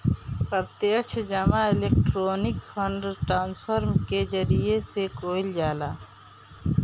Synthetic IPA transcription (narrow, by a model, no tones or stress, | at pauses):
pəɾt̪eət͡ʃʰd͡ʒəmaɪleːk̚ʈɾoːnɪkpʰəɳɖʈɾaːnspʰəɾmked͡ʒəɾijesekoːɪld͡ʒaːlaː